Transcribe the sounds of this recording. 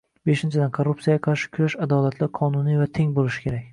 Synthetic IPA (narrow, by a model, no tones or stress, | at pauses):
be̞ʃɪnt͡ʃʰɪd̪ankʰoɾːup̚t̪sijaaqʰɑɾʃɪ̥kʲʰʊɾaʃad̪ɒlat̪ʰlaɾqʰɒnunijvat̪ʰe̞ŋbolˠɪʃɪ̥kʲʰe̞ɾakʲ